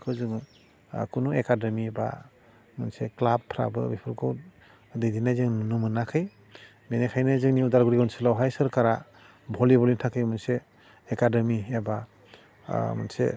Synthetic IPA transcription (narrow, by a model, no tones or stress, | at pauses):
kʰɯwzɯŋ | kʰunuekademiba̰ | mɯnseklabʰɾa̰bɯbipʰɯɾkʰɯw | dɯjdinajzɯŋnɯmɯnakʰɯj | benekʰajnajzɯŋniudaɾɡɯɾiɡɔnselawɦajsɯɾkaɾa | bʱɔlibɔlintʰakʰɯjmɯnseː | kadɯmieba | ma̰nsḛ